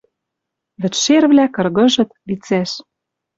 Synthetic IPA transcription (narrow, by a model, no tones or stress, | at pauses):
βɘ̆t͡ɕʃerβlækɤ̆rɣɤ̆ʒɤ̆t̪βit͡sæʃ